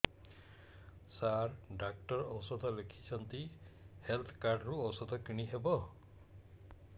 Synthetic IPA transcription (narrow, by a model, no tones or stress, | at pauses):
saɾɖak̚ʈɔɾɔwsɔd̪ʱɔlekʰi̥t͡ʃʰɔnt̪ihelt̪ʰkaɾɖɾuɔwsɔd̪ʱɔkiɽ̃iɦebɔ